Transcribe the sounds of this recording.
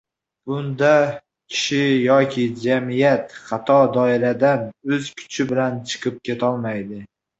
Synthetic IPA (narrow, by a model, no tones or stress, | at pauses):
b̥ʊnd̪a | kʲʰɪ̥ʃɪjɒkʲʰɪd͡ʒamɪjat̪χat̪ʰɒd̪ɒɪɾad̪anɵzkʲʰʊ̥t͡ʃʰɪbɪlant͡ʃʰɨ̥qʰɨp̚kʲʰe̞t̪ʰɒlˠmajd̪ɪ